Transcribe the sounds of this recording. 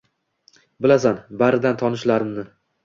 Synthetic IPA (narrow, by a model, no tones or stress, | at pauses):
bɪlasanbaɾɪd̪ant̪ʰɒnɪʃlaɾɪmnɪ